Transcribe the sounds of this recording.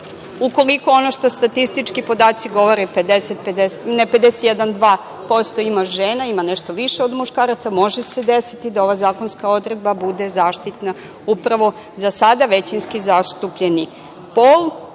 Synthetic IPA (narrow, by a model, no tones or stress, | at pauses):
uko̞liko̞o̞no̞ʃt̪o̞st̪at̪ist̪it͡ʃkipo̞d̪aːt̪siɡo̞ʋo̞ɾeped̪eset̪̚ped̪eneped̪eset̪jed̪and̪ʋaː | po̞st̪o̞imaʒeːnaimaneʃt̪oʋiʃeo̞d̪muʃkaːɾat̪samo̞ʒese̞d̪esit̪id̪ao̞ʋazaːko̞nskao̞d̪ɾe̞d̪̚babud̪e̞zaːʃt̪it̪na | upɾaʋo̞ | zasad̪aʋe̞t͡ɕinskizaʃt̪upʎeni | pol